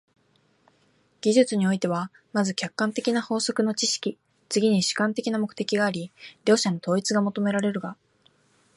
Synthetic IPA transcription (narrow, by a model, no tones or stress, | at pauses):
ɡ̥ʲiʑɨt͡sɨɲ̟io̞it̪e̞β̞a | mazɨkʲakːãnt̪e̞kʲinaho̞ːso̞kɯ̟no̞t͡ɕiɕi̥kʲi | t͡sɨɡʲiɲ̟iɕi̥kãnt̪e̞kʲinamo̞kɯ̟̥t̪e̞kʲiɡaːɾʲiɾʲo̞ːɕano̞t̪o̞ːit͡sɨɡamo̞t̪o̞me̞ɾaɾe̞ɾɯ̟ɡa